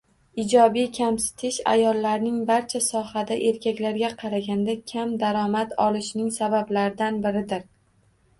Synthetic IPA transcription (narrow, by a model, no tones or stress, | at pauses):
ɪd͡ʒɒbijkʲʰamsɪ̥t̪ʰɪʃa̰jɒlˠːaɾnɪŋbaɾt͡ʃʰasɒhad̪aʔe̞ɾkʲʰakʲlaɾɡʲaqʰɑɾaɡʲand̪akʲʰamd̪aɾɒmat̪ɒlɪʃnɪŋsabablaɾɪd̪anbɪɾɪd̪ɪɾ